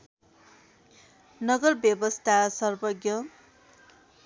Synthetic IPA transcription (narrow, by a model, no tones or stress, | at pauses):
nʌɡʌrbjʌbʌst̪ʰasʌrbʌɡjʌ